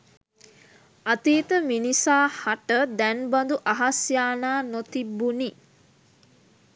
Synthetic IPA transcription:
at̪iːt̪əminisaːhaʈəd̪ænband̪uʔaɦasjaːnaːnot̪ibːuni

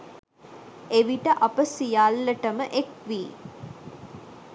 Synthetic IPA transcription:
eʋiʈəʔapəsijalːəʈəməʔekʋiː

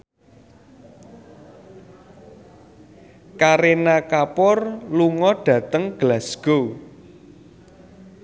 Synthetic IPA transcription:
kaɾenakapɔrluŋɔɖ̥ä̤t̪əŋɡ̥lasɡ̥ow

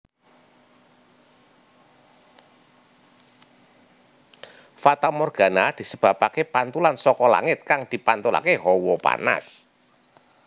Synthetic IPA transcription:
fat̪amɔrɡ̥ä̤nad̪̥i̤səb̥ä̤pakepant̪ulansɔkɔla̰ŋɪt̪̚kaŋd̪̥i̤pant̪ula̰keɦɔwɔpa̰na̰s

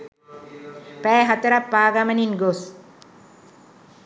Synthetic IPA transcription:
pæːɦat̪əɾapːaːɡaməninɡos

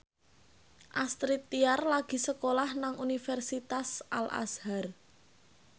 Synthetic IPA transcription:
ʔast̪ɾit̪ːiarlaɡ̥i̤səkolahnaŋunifɛrsit̪asʔa̰la̰shar

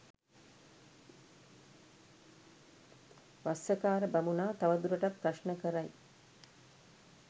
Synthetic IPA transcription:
ʋasəkaːɾəbamunaːt̪aʋad̪uɾəʈapːɾaʃnəkəɾaj

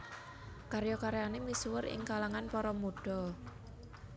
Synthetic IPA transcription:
kaɾjɔkaɾjanemiswəɾɪ̰ŋkalaŋanpɔɾɔmuɖ̥ɔ

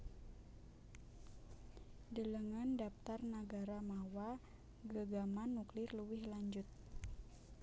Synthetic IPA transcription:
dələŋandapt̪arnəɡaɾamawa | ɡəɡamanːuklɪrluwɪhlaɲd͡ʒʊt̪̚

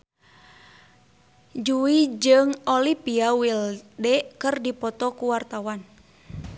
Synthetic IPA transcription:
d͡ʒuwid͡ʒɨŋɔlipiawildɛkɨrdipɔt̪ɔkuwart̪awan

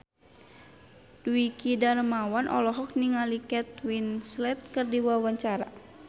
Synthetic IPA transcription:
d̥uikidaɾəmawanʔɔ̰lɔɦɔk̚niŋalikɛt̪̚winslɛt̪̚kərdiwawaɲt͡ʃaɾa̰

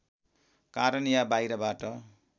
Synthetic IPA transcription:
kaɾʌnjabajɾʌbaʈʌ

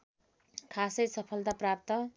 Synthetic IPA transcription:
kʰasʌjsʌpʰʌlt̪aprap̚t̪ʌ

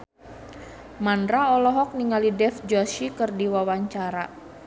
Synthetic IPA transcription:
mandɾaɔlɔɦɔk̚niŋalidɛfd͡ʒɔʃikɨrdiwawaɲt͡ʃaɾa

